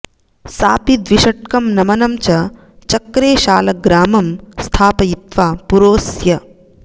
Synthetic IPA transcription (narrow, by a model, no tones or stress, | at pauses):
saːpid̪ʋiʃɐʈ̚kɐmnɐmɐnɐmt͡ʃɐ | t͡ʃɐkɾeːʃaːlɐɡɾaːmɐmst̪ʰaːpɐjit̪ʋaːpuɾoːsjɐ